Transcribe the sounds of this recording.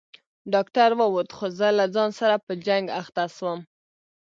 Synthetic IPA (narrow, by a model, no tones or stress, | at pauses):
ɖɑkʈaɾwəwot̪xozəlad͡zɑnsaɾapəd͡ʒaŋɡaxt̪aswəm